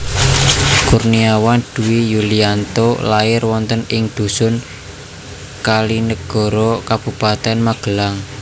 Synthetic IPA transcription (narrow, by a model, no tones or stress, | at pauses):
kurniawand̪̥ṳwijuliant̪olaɪrwɔnt̪ənɪŋd̪̥ṳsʊn | kalinəɡ̥ɔ̤ɾɔkab̥ṳpat̪ɛnmaɡ̥əlaŋ